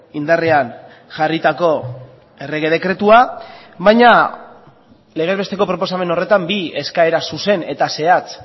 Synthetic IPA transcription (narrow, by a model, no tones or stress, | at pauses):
ind̪are̞an | ʝarit̪ako̞ | e̞re̞ɣ̞e̞ð̞e̞kɾe̞t̪uaβajɲa | le̞ɣ̞e̞zβet̪e̞ko̞pɾo̞po̞same̞no̞re̞t̪ambie̞skae̞ɾasuse̞ne̞t̪ase̞at͡s